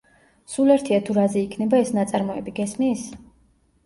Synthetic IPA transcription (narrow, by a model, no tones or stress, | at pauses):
sulɛɾt̪ʰiat̪ʰuɾazɛikʰnɛbaɛsnat̪sʼaɾmɔɛbiɡɛsmiːs